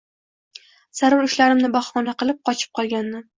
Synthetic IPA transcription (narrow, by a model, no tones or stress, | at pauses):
z̥aɾʊɾʊʃlaɾɪmnɪbɒχmɒnaqɨlˠɪp̚qʰɒt͡ʃʰɪ̥p̚qʰɒlˠɡʲand̪ɪ